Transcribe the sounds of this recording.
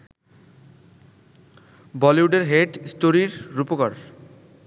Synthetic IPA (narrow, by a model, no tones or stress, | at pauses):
bɔliuɖeɾɦeʈsʈoɾiɾɾupokaɾ